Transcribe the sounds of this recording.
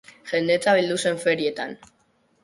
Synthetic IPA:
ʝe̞nd̪e̞t͡saβ̞ild̪use̞ɱfe̞ɾie̞t̪an

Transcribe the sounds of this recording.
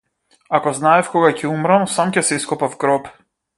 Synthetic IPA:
akɔznaɛfkɔɡacʰɛumɾamsamcɛsɛiskɔpafɡɾɔp

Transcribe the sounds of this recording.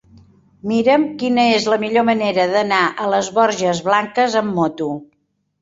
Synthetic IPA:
miɾəmkinəezləmiʎoməneɾəðənaʔələzβɔɾʒəzβlaŋkəzəmːɔt̪u

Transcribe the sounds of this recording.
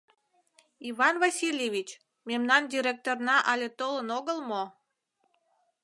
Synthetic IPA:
iβɑnvɑsʲilʲjeβʲit͡ɕ | memnɑndʲiɾʲek̚t̪ornɑʔɑlʲet̪olənoɣəlmo

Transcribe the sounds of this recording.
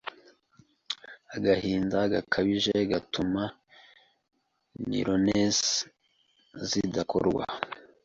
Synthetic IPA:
aɡahiːndaɡakʰaβiʒeɡatʰuma | nḭɾones | zidako̰ɾɡwa̰

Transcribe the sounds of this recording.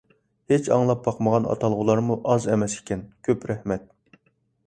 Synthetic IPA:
het͡ʃʰɑ̰ŋlˠɑp̚bɑqməʁɑnɑ̰t̪ʰɑlˠʁʊlˠɑɾmuʔɑzɛmɛse̥kʲʰɛnkʲʰøpɾɛhmɛt̪̚

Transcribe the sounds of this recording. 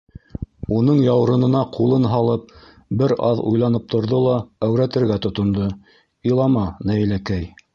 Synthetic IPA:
unɤɴjɑwɾɤ̆nɤ̆nɑqulˠɤnɦɑlˠɤp̚ | bɘɾɑðṵjlˠɑnɤp̚t̪ʰŏɾðolˠɑæwɾæt̪ɘ̆ɾɡæt̪ŏt̪ŏnd̪o | ilˠɑmɑnæjlækæj

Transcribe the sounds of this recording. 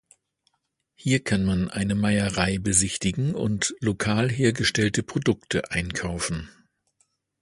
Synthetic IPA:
hiːɐkʰanmanʔa̰ɪnəmaɪəʁaɪbəzɪçtɪɡŋ̩ʊ̰ntlokʰaːlɦeːɐɡəʃtɛltəpʁ̥odʊktʰəʔaɪnkʰaʊfn̩

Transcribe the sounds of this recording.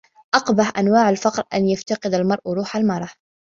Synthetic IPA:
ʔɑqbaħʔanwaːʕalfɑqɾˤʔanjaft̪ɑqɨd̪almɑɾˤʔɾˤuːħalmɑɾˤɑ

